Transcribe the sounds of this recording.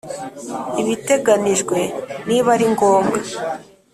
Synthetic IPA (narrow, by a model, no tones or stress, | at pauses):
iβite̞ɡaniʒɡwe̞niβaɾiŋɡoːmɡa